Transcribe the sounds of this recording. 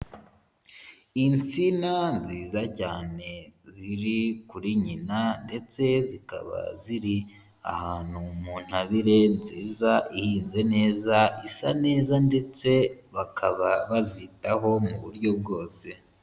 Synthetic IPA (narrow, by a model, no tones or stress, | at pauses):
int͡sinanziːzacaːne̞ziɾikuɾiɲinande̞t͡se̞zika̰βa̰ziɾi | a̰haːn̥umuːn̥haβiɾe̞nziːzaihiːnze̞ne̞ːzaisane̞ːzande̞t͡se̞βakʰaβaβazitaɦo̞muβṵɾɟo̞b̚ɡo̞ːse̞